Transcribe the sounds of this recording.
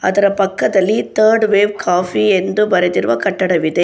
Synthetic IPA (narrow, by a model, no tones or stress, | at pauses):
ɐ̰d̪ɐɾɐpɐkːɐd̪ɐlːit̪ʰɐːɾɖʋeːʋkʰaːfiend̪ubɐɾed̪iɾuʋɐkɐʈːɐɽɐʋid̪e